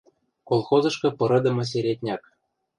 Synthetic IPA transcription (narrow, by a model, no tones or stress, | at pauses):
kolˠxozɤ̆ʃkɤ̆pɤ̆ɾɤ̆d̪ɤ̆mɤ̆s̬eɾʲet̪ʲnʲɑk